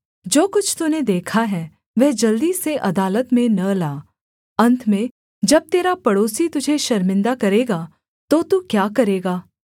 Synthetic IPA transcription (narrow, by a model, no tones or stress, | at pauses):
d͡ʒoːkʊt͡ʃʰt̪uned̪eːkʰaɦɛ | ʋɛɦd͡ʒɐld̪iseʔɐd̪aːlət̪mẽnɐlaː | ɐ̃nt̪ʰmẽ | d͡ʒɐb̚t̪eːɾapɐɽoːsit̪ʊd͡ʒʱeʃɐɾmɪ̃nd̪akɐɾeːɡaː | t̪ot̪ukjaːkɐɾeːɡaː